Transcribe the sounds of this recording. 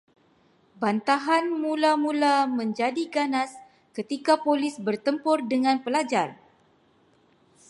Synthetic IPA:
bant̪aɦanmulamulamə̃ɲd͡ʒadiɡanas | kət̪ikapolɪsbərt̪əmpɔrdəŋãnpəlad͡ʒar

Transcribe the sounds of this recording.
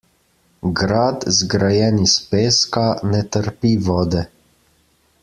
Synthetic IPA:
ɡɾaːd̪zɡɾajɛːnispeːskanɛt̪əɾpiʋɔːd̪ɛ

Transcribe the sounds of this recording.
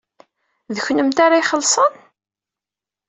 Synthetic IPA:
ðəçnəmt̪aɾajχəlːsˤən

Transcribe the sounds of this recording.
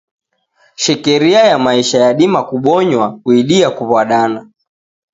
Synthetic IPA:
ʃɛkɛɾiajamaiʃajaɗimakuɓɔɲwakuiɗiakuβwaɗana

